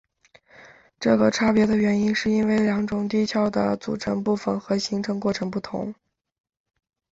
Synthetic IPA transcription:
ʈ͡ʂɤ˥˩ɡə˩ʈ͡ʂʰa˥pjɛ˧˥d̪ə˨ɥɛ˧˥ni˥nʂɻ̩˥˩i˥nwe˥˩ɪljɑ˧˥ŋʈ͡ʂʊ˨˩ŋt̪i˥t͡ɕʰjɑ˥˩ʊd̪ə̰˩t͡sṵ˨˩ʈ͡ʂʰɤ˧˥npu˥˩fə˨˩nxɤ˧˥ɕi˧˥ŋʈ͡ʂʰɤ˥˧ŋkwɔ˥˩ʈ͡ʂʰɤ˧˥ŋpu˥˩t̪ʰʊ̰˧˥ŋ

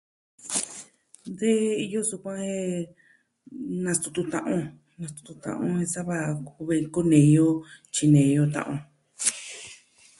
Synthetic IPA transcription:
nd̪e˦i˧jo˦su˧kʷã˦e˦ | nã˧st̪u˧t̪u˧t̪ã˧ʔõ˧ | nã˧st̪u̥˧t̪u˧t̪ã̰˧˨ʔõ̰˧ẽ˧sa˦βa˧u˧βe˧ko˦nẽ˨˧jo˦t͡ʃi˧nẽ˨˧jo˧t̪ã̰˧ʔõ˧

